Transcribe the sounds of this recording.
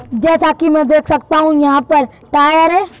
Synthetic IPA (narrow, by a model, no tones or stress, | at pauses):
d͡ʒɛːsakimɛ̃d̪eːkʰsɐk̚t̪aːɦũjɐɦãːpɐɾ | ʈaːjəɾɦɛː